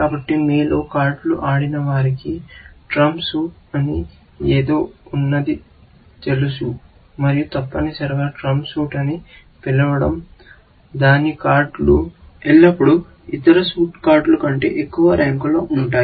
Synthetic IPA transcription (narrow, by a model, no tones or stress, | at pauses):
kaːbɐʈːimiːlo̞ːkaːɾɖluʔaːɽinɐʋaːɾikiʈɾɐmsuːʈɐni | eːd̪o̞ːunːɐd̪i | t͡ʃ̪elusu | mɐɾijut̪ɐpːɐnisɐɾɐɡaːʈɾɐmsuːʈɐni | pilɐʋɐɽɐm | d̪aːnikaːɾɖlu | ɛɭːɐpːuɽu | it̪ːɐɾɐsuːʈkaːɾɖlukɐɳʈe̞̰ːʔekːuʋɐɾaːŋkulo̞ːʔuɳʈaːj